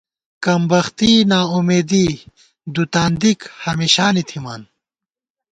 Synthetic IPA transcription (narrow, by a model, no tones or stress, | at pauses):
kɐmbɐxt̪inaːumeːd̪iː | d̪ut̪aːnd̪ikhɐmiɕaːnit̪ʰimaːn